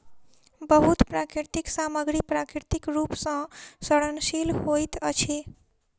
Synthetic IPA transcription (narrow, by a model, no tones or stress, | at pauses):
bəɦut̪pɾakɾiɾt̪iksaməɡɾipɾakɾiɾt̪ikɾupsə̃səɽənsilɦojt̪ət͡ʃʰi